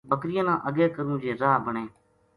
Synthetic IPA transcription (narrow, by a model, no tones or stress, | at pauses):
bəkɾɪjãːnãːʔəɡeːkəɾũːd͡ʒeːzaːbəɳeː